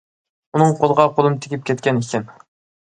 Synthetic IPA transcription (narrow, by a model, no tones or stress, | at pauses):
unɨŋqʰolˠəʁɑqʰolˠɨmt̪ʰɪ̥kʲʰip̚kʲʰɛt̪̚kʲɛnikʲʰɪn